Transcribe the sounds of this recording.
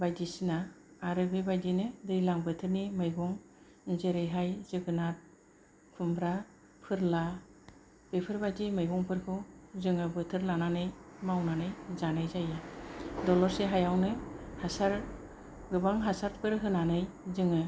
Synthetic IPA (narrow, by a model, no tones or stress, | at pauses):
bajdisinaː | ɾɯbɯbajdinɯdɯjlaŋbɯtʰɯɾnimɯjbɔŋ | zeɾɯjɦajz̥ɯɡɯnat̚ | pʰɯmbɾa | pʰɯɾla | bepʰɯɾbajdimɯjbɔŋpʰɯɾkʰɯwzɯŋɯbɯtʰɯɾlananɯjmawnanɯjzanɯjzajɯdɔlɔɾseɦajawnɯhasaɾ | ɡɯbaŋɦasaɾt̚pʰɯɾɦɯnanɯj | zɯŋɯ